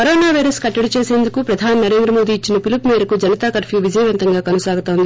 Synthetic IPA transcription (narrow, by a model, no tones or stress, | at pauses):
kɐɾoːnaːʋɐjɾɐskɐʈːɐɽut͡ʃeːseːnd̪ukupɾɐd̪ʱaːninɐɾe̞ːnd̪ɾɐmo̞ːd̪iːt͡ʃːinɐpilupmeːɾɐkud͡ʒɐnɐt̪aːkɐɾfiʋid͡ʒɐjʋɐnt̪ɐŋɡaːkɐnɐsaːɡut̪aːund̪i